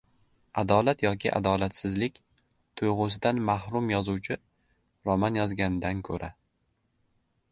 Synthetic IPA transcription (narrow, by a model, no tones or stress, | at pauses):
ad̪ɒlat̪jɒkʲʰɪ̰ʔa̰d̪ɒlat̪sɪzlɪkʲ | t̪ʰʊjʁʊs̬ɪd̪anmahɾʊmjɒzuwt͡ʃʰɪ | ɾɒmanjɒzɡʲanɪd̪ankʰɵɾʔa